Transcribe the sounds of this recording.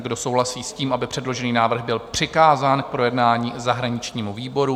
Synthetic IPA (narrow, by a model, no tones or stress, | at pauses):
ɡdo̞so̞wɦlasiːsciːmʔabɪpr̥ɛdlo̞ʒɛniːnaːvr̩ɣbɪlpr̝̥ɪkaːzaːnk̚pɾo̞jɛdnaːɲiːzaɦɾaɲɪt͡ʃɲiːmuviːbo̞ɾu